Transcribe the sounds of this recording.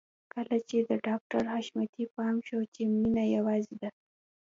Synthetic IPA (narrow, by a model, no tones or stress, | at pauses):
kəlat͡ʃed̪əɖɑk̚ʈaɾhɑʃmjɑt̪ipɑmʃot͡ʃeminajawɑzid̪a